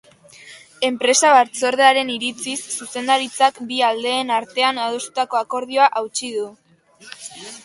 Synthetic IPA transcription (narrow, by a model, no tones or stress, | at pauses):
e̞mpɾe̞saβaɾt͡so̞ɾðeaɾe̞niɾit͡sisːuse̞nd̪aɾit͡sakbiald̪e̞ːnaɾt̪e̞anaðost̪u̥t̪ako̞ako̞ɾð̞io̞aʔawt͡ʃið̞u